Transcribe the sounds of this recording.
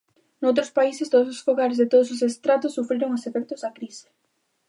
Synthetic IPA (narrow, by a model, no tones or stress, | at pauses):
nowt̪ɾospaisest̪oðososfoɣaɾezðet̪oðʊsosest̪ɾat̪ʊsːufɾiɾoŋosefɛk̚t̪ozðɐkɾise̥